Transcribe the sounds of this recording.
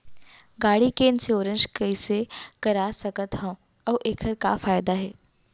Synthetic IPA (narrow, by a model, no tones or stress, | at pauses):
ɡaːɽikeːnseoːɾə̃nd͡ʒkɐisekɐɾasəkət̪ɦɐ̃ | ɐʋʔeːkʰəɾkafaːjd̪aɦɛː